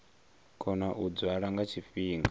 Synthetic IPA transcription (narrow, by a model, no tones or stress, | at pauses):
kʰɔnaʔud͡zwaɺaŋɡat͡ʃʰifiːŋɡa